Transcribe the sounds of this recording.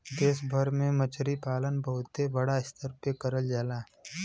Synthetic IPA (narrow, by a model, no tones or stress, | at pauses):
d̪eːsbʱəɾmẽmət͡ʃɾipaːlənbəɦʊt̪ːebəɽaɪst̪ʰəɾpekəɾəld͡ʒaːlaː